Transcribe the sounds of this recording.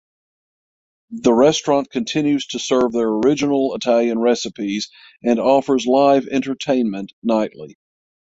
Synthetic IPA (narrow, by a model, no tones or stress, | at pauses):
ðəɹɛstɹ̥ɑ̃nkʰɨ̃ntʰɪ̃njʉz̥tʰɨsɜ˞vðə˞ə˞ɪd͡ʒɨnl̩ˠətʰælˠjɨ̃nɹɛsəpiz | ɨ̃nɔfə˞zlaɪvɛ̰̃ntə˞tʰẽɪ̃nmɨ̃nʔnaɪʔˡlḭ